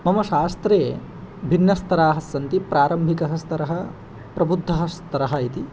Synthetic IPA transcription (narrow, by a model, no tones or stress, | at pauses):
mɐmɐʃaːst̪ɾeː | bʱinːɐst̪ɐɾaːɦɐsːɐnt̪ipɾaːɾɐmbʱikɐɦɐst̪ɐɾɐɦɐ | pɾɐbud̪ʱːɐɦɐst̪ɐɾɐɦɐit̪i